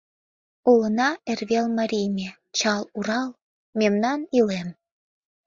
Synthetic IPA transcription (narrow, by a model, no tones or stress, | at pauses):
ulənɑerβelmɑɾʲijmʲe | t͡ɕɑluɾɑl | memnɑnilem